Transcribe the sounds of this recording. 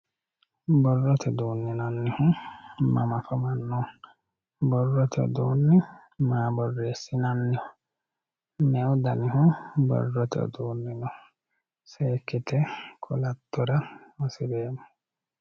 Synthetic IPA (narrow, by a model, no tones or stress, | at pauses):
bɔrːɔt̪ʰɛd̪uːnːinanːɪhʊ̃ma̰mafɔmanːɔ | bɔrːɔt̪ʰɛ̰d̪onːɪ | maːbɔrːeːsːɪnanːɪhʊ | mɛwd̪anɪhʊ̃bɔ̰rːɔt̪ɛ̰ɔ̰d̪uːnːinɔ | seːkːɪt̪ʰɛkʰɔlat̪ːɔɾaɔsibeːmɔ